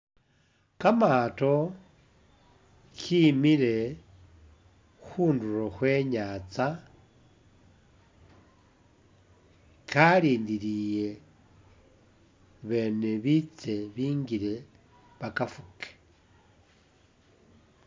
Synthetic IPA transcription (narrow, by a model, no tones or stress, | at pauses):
kamato̞ | kʰimiɾe̞ | xuːnduɾoxwe̞ɲat͡sa | kʰaliːndiɾije̞ | βe̞ːne̞βit͡se̞βiːŋɡiɾe̞ | βakafuke̥